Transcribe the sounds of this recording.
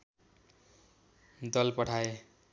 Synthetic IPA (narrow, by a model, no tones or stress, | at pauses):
d̪ʌlpʌʈʰae